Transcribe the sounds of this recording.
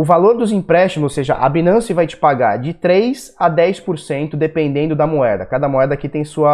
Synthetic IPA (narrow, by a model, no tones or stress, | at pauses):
ʊvaloɾd̪ʊzĩpɾɛst͡ʃimʊzoseʒɐ̰ʔɐ̰binɐ̃sɪvajt͡ʃɪ̥paɡa̰ɾd͡ʒɪt̪ɾejz | ad̪ɛjspoɾsẽnt̪ʊd̪epẽnd̪ẽnd̪ʊd̪ɐmoɛɾd̪ɐkad̪ɐmoɛd̪ɐːkit̪ẽj̃suɐ